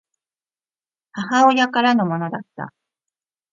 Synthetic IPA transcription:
hahaojakaɾano̞mo̞no̞d̪at̪ːa̰

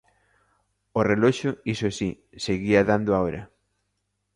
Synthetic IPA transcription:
oreloʃoisosi | seɣiaðand̪oaoɾɐ

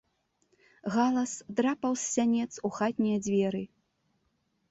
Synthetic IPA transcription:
ɣalˠɐsd̪ɾapɐwsːʲanʲɛt̪suxat̪ʲnʲɛjɐd͡zʲvʲɛɾɨ

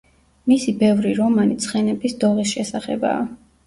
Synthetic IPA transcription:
misibɛvɾiɾɔmanit̪sʰχɛnɛbisd̪ɔʁisʃɛsaχɛ̰ba̰ː

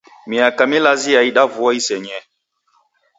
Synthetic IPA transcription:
mĩakamilazijaiɗavuɔisɛɲɛ

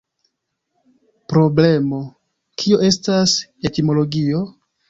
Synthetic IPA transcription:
pɾo̞ble̞mo̞ | kʰio̞ʔe̞stase̞timo̞lo̞ɡio̞

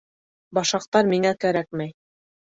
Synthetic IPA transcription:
bɑʃɑq̚t̪ɑɾmiŋækæɾæk̚mæj

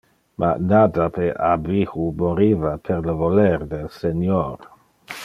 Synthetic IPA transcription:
mʔa̰nad̪apeabixumoɾivapʰeɾləvoleɾd̪elsenjoɾ

